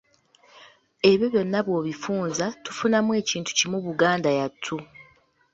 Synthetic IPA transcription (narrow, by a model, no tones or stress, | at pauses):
e̞βjo̞βjo̞nːaβwo̞ːβifuːnzatu̥funamwe̞ːciːntʰu̥cimuβuɡaːndajatʰːu